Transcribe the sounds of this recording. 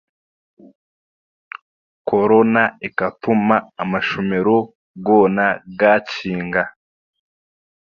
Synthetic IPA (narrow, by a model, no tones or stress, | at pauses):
koɾo̞naikatumaːmaʃome̞ɾo̞ | ɡoːnaɡaciːŋɡa